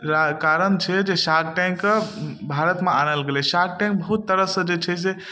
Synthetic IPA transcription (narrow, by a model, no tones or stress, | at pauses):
ɾakaɾənt͡ʃʰɛd͡ʒeʃaɡ̚ʈɛ̃ŋkbʱaɾət̪meañəlɡelɛsaɡ̚ʈɛ̃ŋk̚bəɦut̪ːəɾəsə̃d͡ʒet͡ʃʰɛs̬e